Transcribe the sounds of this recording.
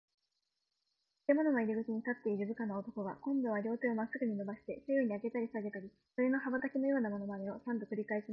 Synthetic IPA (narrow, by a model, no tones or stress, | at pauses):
t̪e̞mo̞no̞noiɾʲiɡɯ̟t͡ɕiɲ̟it̪at̪ːe̞iɾɯ̟bɯ̟kanoot̪o̞ko̞ɡakõ̞nd̪o̞βaɾʲo̞ːt̪eomasːɨɡɯ̟ɲ̟ino̞baɕi̥t̪e̞sejoɲ̟iaɡe̞t̪aɾʲisaɡe̞t̪aɾʲi | so̞ɾe̞no̞ɦaβat̪akʲino̞jo̞ːnamo̞no̞mameo̞sãnt̪o̞kɯ̟ɾʲikaeɕima